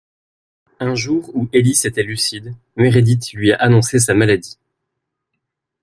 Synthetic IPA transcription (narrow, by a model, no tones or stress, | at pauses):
ɛ̃ʒuʁueliset̪ɛlysid̪ | meʁed̪it̪lɥiaʔanɔ̃ses̬amalad̪i